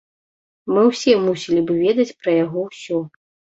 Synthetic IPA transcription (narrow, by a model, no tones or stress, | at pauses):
mɨwsʲɛmusʲilʲibɨvʲɛd̪ɐt͡sʲpɾɐjaɣɔwsʲɔ